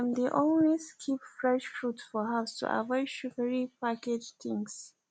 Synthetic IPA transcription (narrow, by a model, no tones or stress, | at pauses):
ãmd̪eʔɔ̃nweskʰipfɹɛʃfɹutfɔɦastʰṵʔa̰vɔɪʃukəɹipʰaked͡ʒt̪ɪ̃ŋs